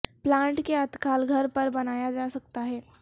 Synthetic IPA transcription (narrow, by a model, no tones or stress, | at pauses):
plaɳʈkeət̪kalɡʱəɾpəɾbənajad͡zasək̚t̪aɦe